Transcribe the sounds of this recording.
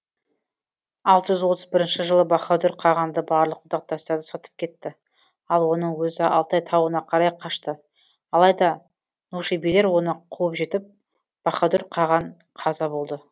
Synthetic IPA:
ɑlˠt̪əʒʏzwo̞t̪əzbɪɾɪnʃɪʒəlˠəbɑχɑd̪ʏɾqʰɑʁɑnd̪əbɑɾlˠəqʰːʊd̪ɑq̚t̪ɑst̪ɑɾd̪əsɑt̪ə̥p̚kʲʰe̞t̪ːɪ | ɑlˠwo̞nəɴwɵzɪɑ̰lˠt̪ɑjt̪ʰɑwənɑqʰɑɾɑjqʰɑʃt̪ə | ɑlˠɑjd̪ɑ | nuʃejbijle̞ɾwo̞nəqʰuwəpʒe̞t̪ɪp̚ | b̥ɑχɑd̪ʏɾqʰɑʁɑɴ | qʰɑzɑbo̞lˠd̪ə

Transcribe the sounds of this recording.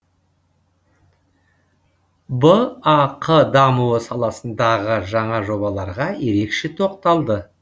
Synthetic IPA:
bəɑqʰəd̪ɑmuwəsɑlˠɑsənd̪ɑʁəʒɑɴɑʒo̞bɑlˠɑɾʁɑje̞ɾe̞kʃe̞t̪ʰoqt̪ɑlˠd̪ə

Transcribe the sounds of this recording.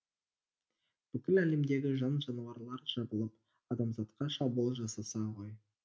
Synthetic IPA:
b̥ʏkʲɪlæle̞md̪e̞ɡʲɪʒɑnʒɑnɑwɑɾlˠɑɾʒ̥ɑbəlˠəp | ɑd̪ɑmzɑt̪qɑʃɑbulˠʒɑsɑsɑʁoj

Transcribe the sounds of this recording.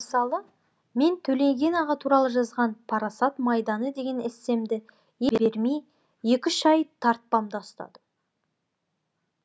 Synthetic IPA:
məsɑlˠə | me̞nt̪ʰɵle̞ŋɡʲe̞nɑʁɑt̪ʰuɾɑlˠəʒɑzʁɑnpʰɑɾɑsɑt̪mɑjd̪ɑnəd̪e̞ɡʲe̞nɪse̞md̪ɪ | jebeɾmej | je̞kʲɪʃɑjt̪ʰɑɾt̪̚pɑmd̪ɑʊst̪ɑ̰d̪ə

